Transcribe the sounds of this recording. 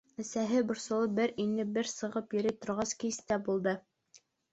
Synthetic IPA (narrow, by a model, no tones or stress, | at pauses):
æ̆sæɦɘbŏɾsɤ̆lˠɤbɘɾinːɘbɘɾsɤ̆ʁɤpjɘ̆ɾɘt̪ŏɾʁɑskist̪æbulˠd̪ɤ